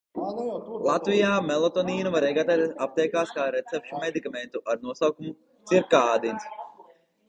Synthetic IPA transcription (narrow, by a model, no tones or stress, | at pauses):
lˠat̪vijaːmɛlˠot̪ɔniːnuvaɾɛɡat̪at̪ap̚t̪ɛjkaːskaːɾet̪sɛp̚ʃumed̪ikament̪uʔaɾnuɔsawkumu | t̪siɾkaːad̪ins